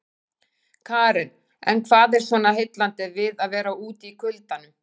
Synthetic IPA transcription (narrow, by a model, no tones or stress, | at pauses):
kʰaːɾɪn | ɛ̰nkʰvaːðɛɾ̥svɔːnaɦɪjt̪lant̪ɪvɪðaðvɛːɾauːt̪iːkʰʏlt̪anʏm